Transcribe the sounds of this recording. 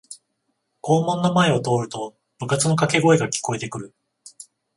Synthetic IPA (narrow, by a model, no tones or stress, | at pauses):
ko̞ːmõ̞nːomae̞o̞t̪o̞ːɾɯ̟t̪o̞ | b̥ɯ̟kat͡sɨno̞kake̞ɡo̞eɡakʲi̥ko̞e̞t̪e̞kɯ̟ɾɯ̟